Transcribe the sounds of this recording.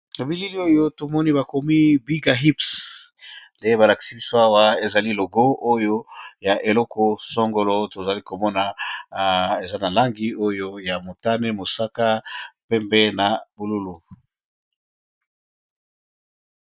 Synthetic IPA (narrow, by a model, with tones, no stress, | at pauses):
na˨bi˦li˦li˦o˦jo˦to˨mɔ˦ni˦ba˨ko˨mi˦bi˦ɡa˨ɦi˦ps | le˨je˦βa˨la˨ki̥˨si˨˦i˦so˦a˦wa˦e˨za˨li˦lo˨ɡo˦ʔo˦jo˦ja˨ʔe˨lɔ˦ko˨so˦ŋɡo˦lo˦to˨za˨li˦ko˨mɔ˦na˨ | e˨za˦na˨la˦ŋɡi˦o˦jo˦ja˨mo˨ta˦ne˦mo˨sa˦ka˦pɛ˦mbɛ˦na˨bu˨lu˦lu˨